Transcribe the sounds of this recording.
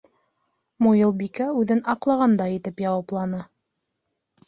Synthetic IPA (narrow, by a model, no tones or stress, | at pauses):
mujɤlˠbikæʉðɘnɑqlˠɑʁɑnd̪ɑjɘ̆t̪ɘpjɑwɑplˠɑnɤ